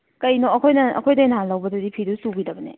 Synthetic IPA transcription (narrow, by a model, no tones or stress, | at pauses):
kɐjnoɐkʰojnɐɐ̰kʰojdɐnalɐwbɐdɐdipʰiɾusuɡidɐbɐnḛ